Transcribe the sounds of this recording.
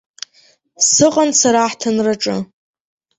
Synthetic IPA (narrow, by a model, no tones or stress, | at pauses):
sɨqʼansaɾaħtʰanraʈ͡ʂʼɨ